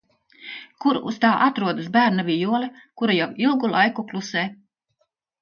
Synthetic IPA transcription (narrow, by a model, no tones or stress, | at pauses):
kuɾṵst̪aːʔat̪ɾuɔd̪ɨsbæːɾnavʲijuɔlɛkuɾajawilˠɡulˠajkuklˠusɛː